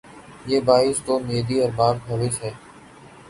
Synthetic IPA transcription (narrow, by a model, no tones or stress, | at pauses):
jeːbaːɪst̪oːmeːd̪iːəɾbaːb̚ɦəʋeːsɦɛː